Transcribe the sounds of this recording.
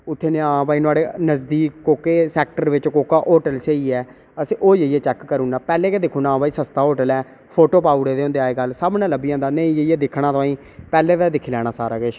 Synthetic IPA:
ʊt̪ʰːeːnẽːãːbaːiːnaːɽeːnəzd̪iːkːoːkeːsɛːk̚ʈəɾʋɪt͡ʃkoːkaːʔoːʈəlsəiːɛː | əsiʔoːd͡ʒeijɛːt͡ʃɛːkːəɾuːnaːpɛːleːkɛːd̪ɪkʰũːnãːpaːiːsəst̪aːɦoːʈəlɛː | pʰoːʈoːpaːuɽeːd̪eːʊ̃nd̪eaːeːɡəlsabnãːləbijãːd̪aːnəĩːd͡ʒəiːɛːd̪ɪkʰɽaːt̪aːĩː | pɛːleːt̪aːd̪ɪkʰːlɛːɽ̃aːsaːɾaːɡeʃ

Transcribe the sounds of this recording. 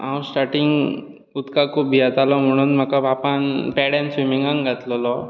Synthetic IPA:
ãwsʈaɾʈiŋɡ | ut̪kakʰuːb̚bʱiat̪alɔm̤əɽ̃uːnm̤əkabʱapanpɛɽãnsʋimiŋɡãŋɡʱat̪lɔlɔ

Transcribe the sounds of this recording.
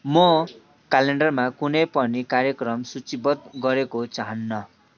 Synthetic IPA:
mʌ | kaleɳɖʌrmakunʌjpʌnikaɾjʌkrʌmsut͡sibʌt̪̚ɡʌɾekot͡saɦʌnːʌ

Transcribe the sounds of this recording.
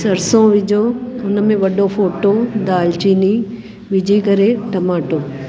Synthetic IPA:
sɐɾsõʋɪd͡ʑʱoʊnmẽʋɐɖopʰoːʈod̪aːlt͡ʃiːni | ʋɪd͡ʒʱikɐɾeʈɐmaːʈoː

